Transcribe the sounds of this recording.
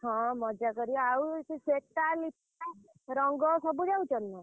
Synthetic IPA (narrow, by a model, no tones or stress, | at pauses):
ɦɔ̃mɔd͡ʒakɔɾiawkisek̚ʈalipʰ | a | ɾɔŋɡɔsɔbud͡ʒaũt͡ʃɔnna